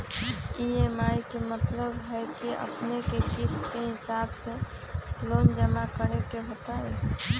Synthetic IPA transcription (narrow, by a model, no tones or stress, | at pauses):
iemajkemət̪ləbɦɛkiə̰pnekekiskeɦɪsabse | lond͡ʒəmakəɾekeɦət̪aɛ